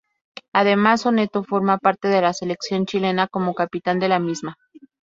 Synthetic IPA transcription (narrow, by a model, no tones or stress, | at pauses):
aðe̞masonet̪ofo̞ɾmapaɾt̪e̞ðe̞lasele̞ksjo̞nt͡ʃile̞nako̞mo̞kapit̪and̪e̞lamizma